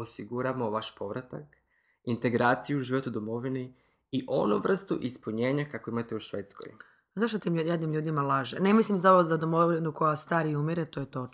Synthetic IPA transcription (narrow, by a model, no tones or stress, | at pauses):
osiɡuɾamoʋaʃpo̞ʋɾat̪ak | int̪e̞ɡɾaːt̪sijuʒiʋot̪ud̪omo̞ʋini | iʔo̞nuʋr̩st̪ṵʔispuɲe̞ːɲakako̞imat̪euʃʋeːt̪sko̰j | zaʃt̪ot̪imjad̪nimʎuːd̪imalaʒenemislimzaoʋod̪ad̪omoʋinukojast̪aːɾiumiɾet̪ojet̪o̞t͡ʃ